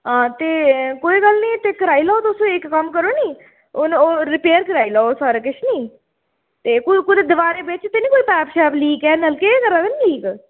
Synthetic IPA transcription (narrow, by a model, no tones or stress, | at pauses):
ɦãːt̪eːkoːiːɡəlnĩːt̪eːkəɾaːiːlaːot̪ʊsõːekːəmkəɾoːniː | ʊnoːɾɪpeːəɾkəɾaːilaːosaːɾaːkɪʃʰniː | t̪eːkʊkʊd̪ed̪əʋaːɾeːbɪt͡ʃt̪eːnĩːkoːiːpɛːpʃɛːpliːkɛːnəlkekəɾaːk̪əniliːk